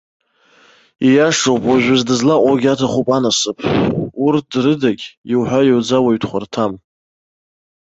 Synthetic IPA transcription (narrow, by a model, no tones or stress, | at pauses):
ijaʂowpʼwaʒʷᶣʊzdɨzlaʔʷʼoɡʲatʰaχʷupʼanasɨpʰurt̚ʰdrɨdaɡʲiwħʷᶣajowd͡zawaɥtʰχʷartʰam